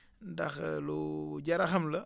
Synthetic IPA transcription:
ndɐ̰xluɟɐɾɐxɐmlɐ

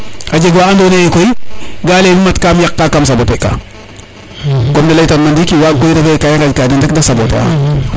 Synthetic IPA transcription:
ad͡ʒeɡwaandoneikojɡalenimatkamjakːakamsaboteka̰ | komdilajtamdandikiwakojdakekajaŋɡad͡ʒkadindekdasabota̰

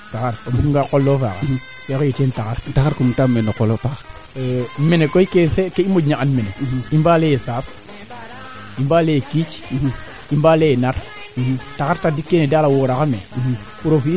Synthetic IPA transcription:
taxaɾobuŋɡakolːofa̰ːka | kekojetentaxaɾtaxaɾkumtamenokolopa | menekojkesekeimod͡ʒɲaʔanmeneimbalejesaːs | imbalekit͡ʃ | imbalejnaɾ | taxaɾtadikːenedalawoɾaxamḛ | puɾofi

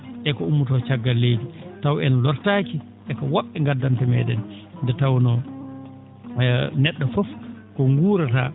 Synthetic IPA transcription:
ʔɛkɔumːutɔt͡ʃaɡːalːejditawɛnɔlɔɾtaːki | ʔɛkɔwɔɓːɛŋɡadːantɛmɛ̰ːdɛnndɛtawnɔ | nɛɗːɔfɔfkɔŋɡuːɾata̰

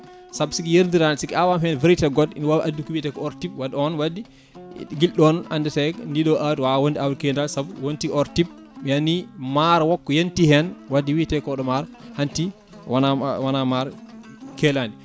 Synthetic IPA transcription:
sabsikijeɾndiɾansikɛawamhɛnveɾitɛɡɔdḭnwawʔadːukiwitɛkɔɔɾtipwadɔnwadi | ɡilɗɔna̰ndɛtɛkndiɗɔʔadwawondiawɾkɛndalsabuwontiɔɾtib̚ | mianːimaɾwɔkːɔjentihɛnwadːiwitɛkɔɗɔmaɾhanti | anawanamaɾ | kɛlandi

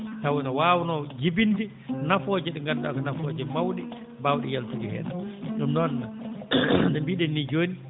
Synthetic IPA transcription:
tawinɔwaːwnɔd͡ʒibindi | nafɔd͡ʒɛɗɛŋɡanda̰ɡɔnafɔd͡ʒɛmawɗɛ | bawɗɛjaltuɡihɛ̰ːna̰ɗumnɔnːa | ndɛmbiɗɛnːid͡ʒoːni

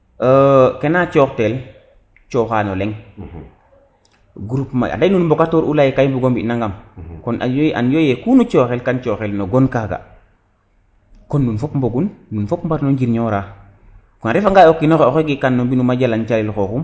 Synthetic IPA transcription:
əkenat͡ʃɔːktel | t͡ʃɔxaːnɔlɛŋ | ɡuɾupma̰a̰ndanunmbokatoːɾʔulajikajmbuɡombinaŋɡamkɔnaja̰njojekunut͡ʃɔːxelkant͡ʃɔxelnoɡonkaɡa̰ | kɔnːunfɔpmboɡunːunfɔpmbatnoɲɟiɾɲɔɾaː | kɔnɾɛfaŋɡaːjokːinoxeoxeɡikanːombinumaɟalant͡ʃalilxoxum

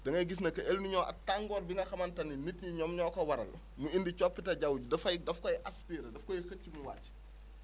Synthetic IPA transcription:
dɐŋɡɐjɡis̬nɐkːɐʔelniɲɔːʔɐ̰tːaŋɡɔːɾbiŋɡɐxɐmɐntɐnːinitɲiɲɔmɲɔːkɐwɐɾɐ̰l | muindit͡ʃɔpːitɐɟɐwɟudɐfɐjdɐfkɔjʔɐspiːɾɐdɐfkɔjixɐcimuwa̰ːtː

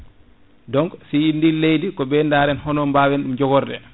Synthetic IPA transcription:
dɔŋɡsijindilejdikɔbɛndaːɾɛnhɔnɔmbawɛnɗumd͡ʒɔɡɔɾdɛ̰

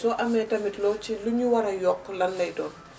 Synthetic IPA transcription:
sɔʔamɛtɐmitlɔt͡ʃiluɲuwaɾɐjɔkːɔlɐnːɐjdɔːn

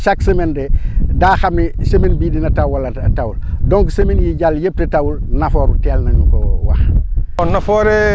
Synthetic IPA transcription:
ʃaksemendedaːxamnisemenbiːdinatawwalatawuldoŋksemenjiɟaljep̚tetawulnafoːɾṵtɛlnaɲukowa̰xɔnːafoɾe

